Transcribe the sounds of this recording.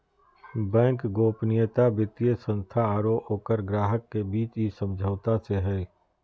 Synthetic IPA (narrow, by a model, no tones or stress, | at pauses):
bɛ̃ːŋkɡoːpnɪjət̪abɪt̪ijəsə̃nst̪ʰaːɾooːkəɾɡɾaːɦəkːebiːt͡ʃisəmd͡ʒʱəːt̪aseɦɛː